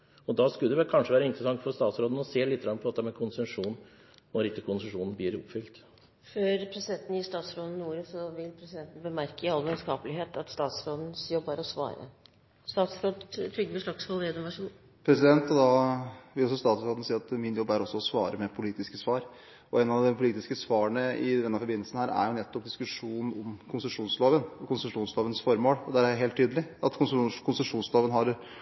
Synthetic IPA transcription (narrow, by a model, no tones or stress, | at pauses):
ɔd̪ɑskʉld̪ɛʋɛkʰɑnʂəʋæːɾəɪnt̪ɾəsɑŋt̪fɔɾst̪ɑːt̪sɾoːd̪n̩ɔseːlɪt̪ːɡɾɑnːpʰɔɑt̪ːəmɛkʰʊnsɛʂuːn | nɔɾɪt̪ːəkʰʊnsəʂuːnənblɪɾʊ̰pfʏlt̪ | føːɾpʰɾɛsɪd̪ɛnt̪n̩jiːst̪ɑːt̪sɾoːd̪n̩uːɾəsɔʋɪlpʰɾɛsɪd̪ɛnt̪n̩bəmæɾkəɪɑlːʋɛnskɑːpəlɪɦeːt̪ɑt̪st̪ɑːt̪sɾoːd̪n̩sjɔbːəɾɔsʋɑ̰ːɾə̰ | st̪ɑːt̪sfɾod̪t̪ʰɾʏɡːəʋəʂɭɑksfɑleːd̪ʊmʋæʂuːn | pʰɾɛsɪd̪ɛnt̪ɔd̪ɑʋɪlɔsɔst̪ɑːt̪sfɾoːd̪n̩siːɑt̪mɪnjɔbːæɾɔsːɔɔsʋɑːɾəmɛpʰʊliːt̪ɪskəsʋɑːɾ | ɔɛnɑʋd̪ɛpʰʊliːt̪ɪskəsʋɑːəɳəɪd̪ɛnːəfɔɾbɪnəlsn̩hæːɾæ̰ɾjʊnɛt̪ːɔp̚d̪ɪskʉʂuːn̩ɔmkʰʊnsəʂuːnsloːʋənɔkʊnsəʂuːnsloːʋənsfɔɾmoːlɔd̪æɾæjɦeːlt̪ʰːyːd̪əlɪɑt̪kʰʊnskʰʊnsəʂuːnsloːʋənɦɑɾ